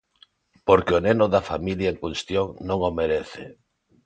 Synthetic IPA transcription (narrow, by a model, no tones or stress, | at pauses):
poɾkɪonenʊðafamiljaeŋkunst̪joŋnõŋomeɾeθɪ